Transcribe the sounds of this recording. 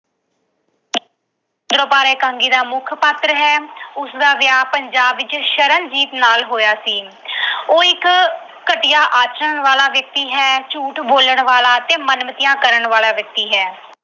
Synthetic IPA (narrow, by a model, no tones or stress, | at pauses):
d̪ɾoːpaːɾɛːkãːŋɡiːd̪aːmʊkʰpət̪ɾəɦɛːʊsd̪aːʋɪjaːpəɲd͡ʒaːbːɪt͡ʃʃəɾənd͡ʒiːt̪naːlɦoːjaːsiː | oːɪkː | əʈɪjaːʔaːt͡ʃəɳʋaːlaːʋjək̚t̪iːɦɛːt͡ʃuːʈboːləɳʋaːlaːt̪eːmənmət̪ɪjãːkəɾəɳʋaːlaːʋjək̚t̪iːɦɛː